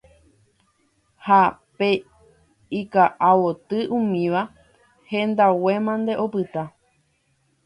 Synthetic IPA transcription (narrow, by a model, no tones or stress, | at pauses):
hape | ikaʔawot̪ɨʔũmĩʋa | hẽ̞nd̪awe̞mãnd̪e̞ʔo̞pɨt̪a